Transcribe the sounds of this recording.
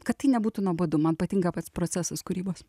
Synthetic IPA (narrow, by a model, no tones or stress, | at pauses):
kɐt̪t̪ːɐɪnʲɛbuːt̪unuɔbɐd̪ʊmɐnpɐt̪ʲiŋɡɐpɐt̪spɾoːt̪sʲæsɐskʊɾʲiːboːs